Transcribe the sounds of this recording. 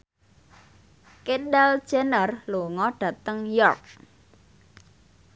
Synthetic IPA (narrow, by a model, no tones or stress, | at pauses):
kedal̥d͡ʒ̥ɛnərluŋɔɖ̥ä̤t̪əŋjɔrk̚